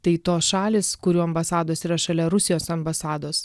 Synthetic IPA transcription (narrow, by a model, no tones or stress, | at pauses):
t̪ɐɪt̪oːsʃɑːlʲeːsskʊɾʲuːɐmbɐsɑːd̪oːsiːɾɐʃɐlʲɛɾʊsʲɪjoːsɐmbɐsɑːd̪oːs